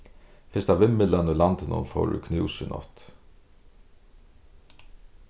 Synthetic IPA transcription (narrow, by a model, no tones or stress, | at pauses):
fɪst̪avɪmːɪlanulant̪ɪnʊ̰nfɔ̰wɾʏ̰kʰnʉwsɪnɔ̰t̪